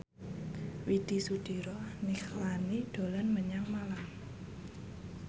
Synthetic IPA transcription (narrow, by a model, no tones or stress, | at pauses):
wid̪̥i̤sud̥i̤ɾɔnixlanid̥o̤lanməɲaŋmalam